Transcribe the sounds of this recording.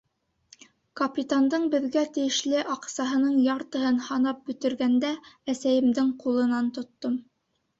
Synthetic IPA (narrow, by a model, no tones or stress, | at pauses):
kɐpʲit̪and̪ɤɴbɘ̆ðɡæt̪ɘ̆jɘ̆ʃlɘʔɑqsɑɦɤ̆nɤɴjɑɾt̪ɤ̆ɦɤnhɑnɑp̚bɵ̆t̪ɘ̆ɾɡænd̪ææsæjɘ̆md̪ɘɴqulˠɤ̆nɑnt̪ŏt̪ːom